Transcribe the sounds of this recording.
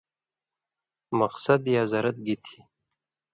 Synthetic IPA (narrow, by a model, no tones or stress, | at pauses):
mɐqsɐd̪jazaɾat̪̚ɡit̪ʰi̥